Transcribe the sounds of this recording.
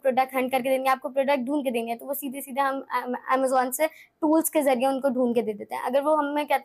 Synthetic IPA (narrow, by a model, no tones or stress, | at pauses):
pɾoːɖək̚ʈɦɐ̃ɳɖkɐɾked̪eːŋɡẽaːp̚kopɾoːɖək̚ʈ̚ɖʱuːnked̪eːnɡẽt̪oʋosiːd̪ʱesiːd̪ʱeɦɐmɛːməzɔːnse | ʈuːlskezɐɾijeʊnkoɖʱuːnked̪eːd̪eːt̪eɦɛ̰̃ʔɐɡəɾʋoɦɐmːẽkɛɦt̪